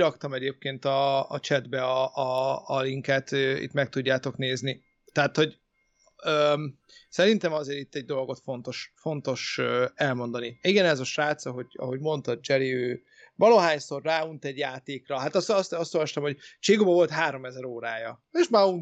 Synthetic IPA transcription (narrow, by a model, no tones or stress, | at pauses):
ɾɒkt̪ɒmɛɟeːp̚keːnt̪ɒ̰ːt͡ʃɛd̪bɛɒːliŋkɛt̪øḭt̪mɛk̚t̪uɟːaːt̪o̞kneːzni | t̪ɛɦat̪ho̞ɟ | øː | sɛɾint̪ɛmɒzeːɾit̪ːɛɟ̚d̪o̞lɡo̞t̪fo̞nt̪o̞ʃfo̞n̪t̪o̞ʃɛlmo̞nd̪ɒniiɡɛnɛzɒʃaːt̪sɒɦo̞ɟɒ̰ɦo̞ɟmo̞nt̪ɒd̪̚d͡ʒɛɾiøː | vɒloɦaːjso̞rːaːunt̪ɛɟjaːt̪eːkrɒɦat̪ɒsɒst̪ɒst̪o̞lvɒʃt̪ɒmho̞ɟt͡ʃeːɡobɒvo̞lt̪ɦaːɾo̞mɛzɛɾoːɾaːjɒeːʃmaun